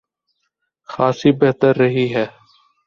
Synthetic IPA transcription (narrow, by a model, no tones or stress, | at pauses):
xaːsiːbeɦt̪əɾːəɦiːɦɛː